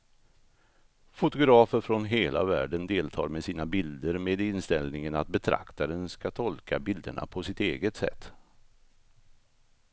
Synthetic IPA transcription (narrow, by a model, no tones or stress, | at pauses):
fʊt̪ʊɡɾɑːfəɾfɾɔnɦeːlʔa̰væːɖənd̪eːlt̪ʰɑ̰ːɾmɛsiːnabɪld̪əɾmeːd̪ɪnst̪ɛlnɪŋənat̪̚bɛt̪ʰɾa̰kt̪aɾənskat̪ʰɔlkabɪld̪ə̰ɳa̰pʰɔsɪt̪ḛːɡət̪sɛ̰t̪ː